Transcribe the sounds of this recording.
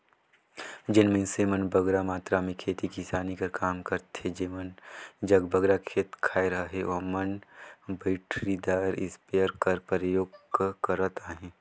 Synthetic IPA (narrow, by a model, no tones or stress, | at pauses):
d͡ʒɪnmẽsemənbɐɡɾamaːt̪ɾamẽkʰeːt̪ikisaːnikɐɾkaːmkɐɾt̪ed͡ʒeːmənd͡ʒɐɡbɐɡɾakʰeːt̪kʰaːiɾɐɦaɦeɔːɾmɐnbəɪʈʰɾid̪aːɾɪ̰speəɾkɐɾpɾəjoːɡkɐɾət̪aːɦẽː